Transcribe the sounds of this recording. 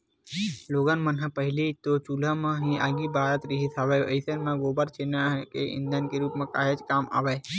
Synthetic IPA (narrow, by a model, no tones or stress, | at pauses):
loːɡənmənɦəpəɦɪlit̪ot͡ʃuːlãmãɦiaːɡibʱaːɾət̪ɾɪɦit̪ʰaːʋeʔɐɪsenmẽɡoːbəɾt͡ʃeːnaɦɛkeɪ̰̃nd̪jaːnkeɾuːpmẽkaːɦed͡ʒkaːma̰ːʋeː